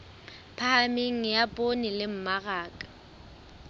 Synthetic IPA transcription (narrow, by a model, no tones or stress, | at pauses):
pʰahamɪŋ̩japʼonɪlɪm̩maɣaːkʼḁ